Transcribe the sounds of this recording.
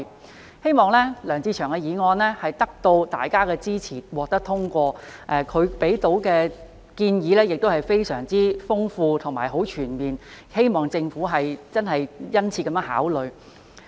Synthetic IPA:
he˥jmɔː˨ŋlɛː˥lœː˨˩ŋt͡siː˧t͡ʃʰœː˨˩ŋkɛ˧jiː˨˧ŋɔː˧nlɛː˥hɐ˨jt̪ɐ˥k̚t̪o˧wt̪a̰ː˨jkaː˥kɛː˧t͡siː˥t͡sʰiː˨˩wɔː˨k̚t̪ɐ˥k̚t̪ʰʊ˥ŋkʷɔː˧ʔɛ˧kʰɵ˨˧ɥpe˨˥jt̪o˨˥wkɛː˧ | kiː˧njiː˨˧lɛː˥jɪ˨k̚t̪o˥whɐ˨jfe˥jsœː˨˩ŋt͡siː˥fʊ˥ŋfuː˧t̪ʰʊ˨˩ŋmaː˨˩jɦo˨˥wt͡ʃʰyː˨˩nmiː˨˩n | he˥jmɔː˨˩ŋt͡sɪ˧ŋfuː˨˥ɦɐ˨jt͡sɐ˥nɦɐ˨jjɐ˥nt͡sʰiː˧kɐ˨˧mjœː˥ŋha̰ː˨˥wlɵ˨ɥ

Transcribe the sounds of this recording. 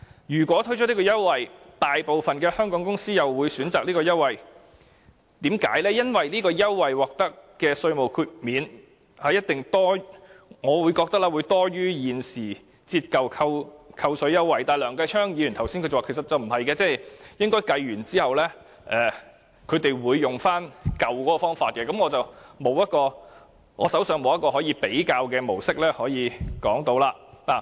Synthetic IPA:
jyː˨˩kʷwɔː˨˥t̪ʰɵ˥ɥt͡ʃɔː˨˥ni˥kɔː˧jɐ˥wːɐ˨j | t̪aː˨jpo˨wfɐ˨nkɛː˧hœː˥ŋkɔː˨˥ŋkʊ˥ŋsiː˥jɐ˨wːuː˨˧jsyː˨˥nt͡saː˨k̚liː˥kɔː˧jɐ˥wwɐ˨˩j | t̪iː˨˥mka̰ː˨˥jlɛː˥jɐ˥nwɐ˨jliː˥kɔː˧jɐ˥wːɐ˨jwɔː˨k̚t̪ɐ˥kːɛː˧sɵ˧ɥmo˨wkʰyː˧t̚miː˨˧n | haː˨jɐ˥t̚t̪ɪ˨˩ŋt̪ɔː˥ŋɔː˨˧wuː˨˧jkɔː˧k̚t̪ɐ˥k̚laː˧wuː˨˧jt̪ɔː˥ɥyː˥jiː˨nsiː˨˩ | t͡siː˧t̚kɐ˨wkʰɐ˧wkʰɐ˧wsɵ˨˥ɥjɐ˥wːɐ˨˩jt̪aː˨jlœː˨˩ŋkɐ˧jt͡ʃʰœː˥ŋji˨˧jyː˨˩nt̪ʰɐ˨˩wsi˥nkɵ˧jt͡sːwaː˨kʰe˨˩sɐ˨t̚t͡sɐ˨wm̩˨˩hɐ˨jkɛː˧t͡sɛː˥˩jjɪ˥ŋkɔː˥jkɐ˧jɥyː˨˩nt͡siː˥hɐ˨wlɛː˥ | ʔɛː˨˩ | kʰɵ˨˧ɥt̪e˨jwuː˨˧jːʊ˨ŋfaː˥nkɐ˨wkɔː˨˥kɔ˧fɔː˥ŋfaː˧t̚kɛː˧kɐ˨˥mŋɔː˨˧t͡sɐ˨wmo˨˧wjɐ˥t̚kɔː˧ | ŋɔː˨˧sɐ˨˥wsœː˧ŋmo˨˧wjɐ˥tkɔː˧hɔː˨˥jiː˨˧pe˨˥jkaː˧wkɛː˧mo˨˩wsɪ˥k̚lɛː˥hɔː˨˥jiː˨˧kɔː˨˥ŋt̪o˧˥wlaː˧naː˨˩

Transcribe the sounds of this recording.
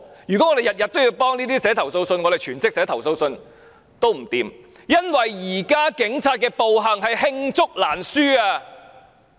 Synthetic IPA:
jy˨˩kɔ˨˦˥ɔː˨˧e˨jɐ˨˩t̚jɐ˨t̚t̪o˥wji˧wpɔː˥ŋniː˥t̪iː˥sɛː˨˥t̪ʰɐ˨˩wso˧wsɵ˧nŋɔː˨˧d̪e˨˩t͡ʃʰyː˨˩nt͡sɪ˥k̚sɛː˨˧˥t̪ʰɐ˨˩wso˧wsɵ˧n | t̪o˥wm̩˨˩t̪iː˨˧m | jɐ˥nwɐ˨jːiː˨˩kaː˥kɪ˨˥ŋt͡sʰaː˧t̚kɛː˧po˨wɦɐ˨˩ŋɦɐ˨jhɪ˧ŋt͡sʊ˥k̚laː˨˩nsyː˥aː˧

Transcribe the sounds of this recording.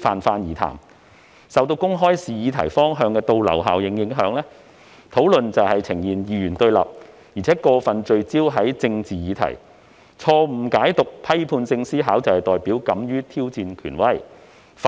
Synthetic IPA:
faː˨nfaː˧njiː˨˩t̪ʰa̰ː˨˩m | sɐ˨wt̪̬o˧wkʊ˥ŋɦɔː˥jsiː˨˧jiː˨˧t̪ʰɐ˨˩jfɔː˥ŋɦœː˧ŋkɛː˧t̪o˧wlɐ̰˨˩wɦa̰ː˨wjɪ˨˧˥ŋjɪ˨˧˥ŋɦœː˨˥ŋlɛː˥ | t̪ʰo˨˥wlɵ˨nt͡sɐ˨whɐ˨jt͡sʰɪ˨˩ŋjiː˨˩njiː˨˧jyː˨˩nt̪ɵ˧ɥlɐ̰˨p̚ | jiː˨˩t͡sʰɛː˨˥kɔː˧fɐ˨nt͡ʃɵ˧ɥt͡siː˥wɦɐ˨˥jt͡sɪ˧ŋt͡siː˨jiː˨˧t̪ʰɐ̰˨˩j | t͡sʰɔː˧m̩˨˩kaː˨˥jt̪ʊ˨k̚pʰɐ˥jpʰuː˧nsɪ˧ŋsiː˥ɦaː˨˥wt͡sɐ˨whɐ˨˩jt̪ɔː˨jpiː˨˥wkɐ˨˥mjyː˥t̪ʰiː˥wt͡siː˧nkʰy̰ː˨˩nwɐ˥˩j | f

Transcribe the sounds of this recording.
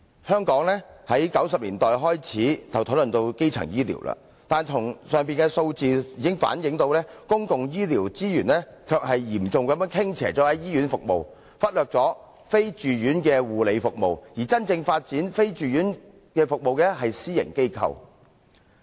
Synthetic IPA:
hœː˥ŋkɔː˨˥ŋlɛ˥hɐ˨˥jkɐ˨˥wsɐ˨p̚liː˨˩nt̪ɔː˨jɦɔː˥jt͡sʰiː˨˥t̪ʰɐ˨˩wt̪ʰo˨˥wlɵ˨nt̪o˧wke˥jt͡sʰɐ̰˨˩ŋjiː˥lḭ˨˩wla̰ː˧ | t̪aː˨nt̪ʰʊ˨˩ŋsœː˨ŋpiː˨nkɛː˧so˧wt͡siː˨jiː˨kɪ˥ŋfa̰ː˨˥njɪ˨˥ŋt̪o˧wlɛː˥kʊ˥ŋkʊ˨ŋjiː˥liː˨˩wt͡siː˥jyː˨˩nlɛ˥kʰœː˧k̚hɐ˨jjiː˨˩mt͡sʊ˨ŋkɐ˨˥mjœː˨˥ŋkʰɪ˥ŋt͡sʰɛ̰ː˨˩t͡sɔː˨˥ɐ˨˥jiː˥ɥyː˨˥nfʊ˨k̚mo̰˨w | fɐ˥t̚lœː˨k̚t͡sɔː˨˥ | fe˥jt͡ʃyː˨˩jyː˨˥nkɛː˧wuː˨˩le˨˧jfʊ˨k̚mo˨wjiː˨˩t͡sɐ˥nt͡sɪ˧ŋfaː˧t̚t͡siː˨˥nfe˥jt͡ʃyː˨ɥyː˨˥n | kɛː˧fʊ˨k̚mo˨wkɛː˧ɦɐ˨jsiː˥jɪ̰˨˩ŋke˥jkʰɐ̰˧w

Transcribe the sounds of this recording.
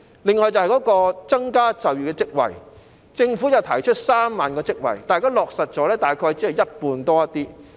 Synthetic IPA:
lɪ˨ŋːɔː˨jt͡sɐ˨whjkɔː˨˥kɔː˧t͡sɐ˥ŋkaː˥t͡sɐ˨wjyː˨˩kɛː˧t͡sɪ˥k̚wɐ̰˨˩j | t͡sɪ˧ŋfu˨˥jɐ˨wt̪ʰɐ̰˨˩jt͡ʃʰɵ˥t̚saː˥mːaː˨nkɔː˧t͡sɪ˥k̚wɐ̰˨˩jt̪aː˨jkaː˥lɔː˨k̚sɐ˨t̚t͡ʃɔː˨˥lɛː˥t̪aː˨˩jkʰɔː˧jt͡si˨˥hɐ˨˩wjɐ˥t̚puː˧nt̪ɔː˥jɐ˥t̪iː˥

